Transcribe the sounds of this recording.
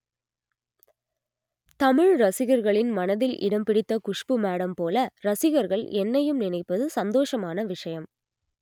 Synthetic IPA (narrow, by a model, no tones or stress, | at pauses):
t̪ɐmɪɻɾɐsɪɣɐɾɣɐɭɪnmɐnɐðɪlʔɪ̰ɽɐmpɪɽɪt̪ːɐkʊʂpɯmaːɽɐmpoːlɐɾɐsɪɣɐɾɣɐɭɛnːɐjɯmnɪnɐɪpːɐðɯsɐnd̪oːʂɐmaːnɐʋɪʂɐjɐm